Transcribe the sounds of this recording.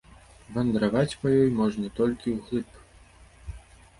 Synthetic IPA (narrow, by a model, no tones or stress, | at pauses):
vɐnd̪ɾavat͡sʲpajɔjmɔʐnʲɐt̪ɔlʲkʲiwɣlˠɨp